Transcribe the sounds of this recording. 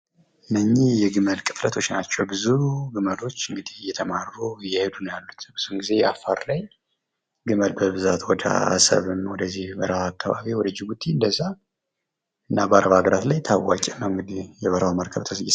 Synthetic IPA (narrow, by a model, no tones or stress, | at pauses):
ɨnːəɲːihjɛɡɨməlkʼɨ̥flət̪ʰo̞t͡ʃːnat͡ʃːɛwbɨzuɡɨməlo̞t͡ʃːɨŋɡɨd̪ijɛt̪ʰəmaɾɾujɛhed̪unjalːut̪ʰb̥ɨz̥uɨŋɡize̞jɛafaɾlaj | ɡɨməlbəβɨzat̪wɔd̪ə̰a̰sə̰βɨmwɔd̪əzːihbəɾəwakːaβa̰βiwɔd̪əd͡ʒiɡut̪ːiɨnd̪əzːa | ɨnːabaɾəβaɡəɾat̪lajt̪ʰawat͡ʃʼɛnːawɨŋɡɨd̪ijɛβəɾəwməɾkʰəβt̪ʰəsjɪs